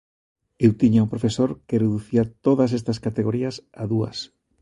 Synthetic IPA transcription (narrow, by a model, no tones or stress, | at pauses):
ewt̪iɲaumpɾofesoɾkereðuθiɐt̪oðɐs̬est̪ɐskat̪eɣoɾiɐsaðuɐ̰s